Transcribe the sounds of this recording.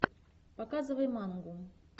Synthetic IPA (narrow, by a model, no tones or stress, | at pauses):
pakazɨvɐjmanɡu